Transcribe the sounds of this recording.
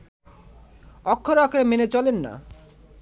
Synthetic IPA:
ɔkʰːoɾakʰɾemenet͡ɕɔlenːa̰

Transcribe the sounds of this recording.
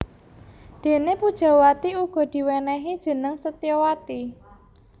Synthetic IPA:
d̪̥e̤nepud̥ʒ̥a̤wat̪iuɡ̥ɔ̤d̪̥i̤wɛnɛɦid̥ʒ̥ə̤nəŋsət̪ijɔwat̪i

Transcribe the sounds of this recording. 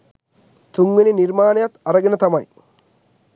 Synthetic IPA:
t̪ʊŋːɪnɪnɪɾmaːnejɐt̪ːɐɾɐɡɪnɐt̪ɐmɐj

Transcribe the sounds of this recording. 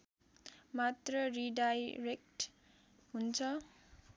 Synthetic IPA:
mat̪rʌriɖajrek̚ʈ | ɦunt͡sʰʌ

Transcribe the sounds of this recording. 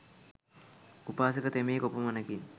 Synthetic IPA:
upaːs̬əkət̪emekopomɐnəkin

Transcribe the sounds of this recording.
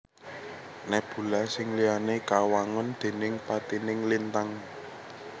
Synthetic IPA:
nɛb̥ṳlasɪŋlijanekawaŋʊnd̪̥e̤nɪŋpat̪inɪŋlint̪aŋ

